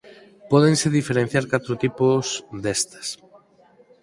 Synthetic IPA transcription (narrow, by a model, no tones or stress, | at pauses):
pɔðẽŋseðifeɾẽn̟θjaɾkat̪ɾot̪iposd̪est̪ḁs